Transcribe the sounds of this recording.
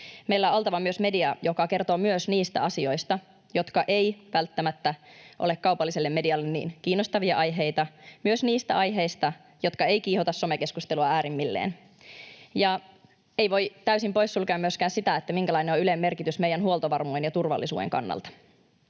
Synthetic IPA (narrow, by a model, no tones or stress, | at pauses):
mejlːæoolt̪ɑʋɑmyøsme̞diɑjokɑke̞rt̪oːmyøsniːst̪æ̰ɑsio̞jst̪ɑ | jo̞t̪kɑʔejʋælt̪ːæmæt̪ːæʔo̰lekkɑupɑlːiselːemːe̞diɑlːenːḭːnkiːnːost̪ɑʋiɑʔɑjɦejt̪ɑmyøsniːst̪æɑjɦe̞ist̪ɑ | jo̞t̪kɑe̞jkiːhot̪ɑsːo̞meke̞skust̪eluɑæːɾimːilːḛːn | jɑ | eiʋo̞jt̪æysimpo̞jsːulkeːmːyøskæːnsit̪æet̪ːæmiŋkælɑineoylemːe̞rkit̪ysme̞jænɦuolt̪oʋɑrmujenjɑt̪urʋɑ̰lːisṵːeŋkɑ̰nːɑ̰lt̪ɑ̥